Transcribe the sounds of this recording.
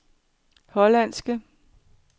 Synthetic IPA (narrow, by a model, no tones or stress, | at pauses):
hɒ̽læn̰sɡ̥ə